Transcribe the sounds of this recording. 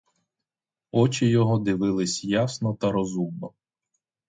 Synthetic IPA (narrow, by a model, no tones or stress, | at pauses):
ɔt͡ʃɪjɔɦɔd̪ɪʋɪlˠɪsʲjasnɔt̪ɐɾɔzumnɔ